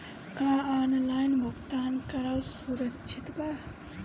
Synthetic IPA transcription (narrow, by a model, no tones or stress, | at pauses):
kaanlajnmukt̪ankɐɾawsuɾəkt͡ʃʰit̪ba